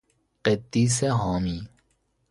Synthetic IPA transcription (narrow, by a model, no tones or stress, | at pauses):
qet̪ːiːseɦaːmiː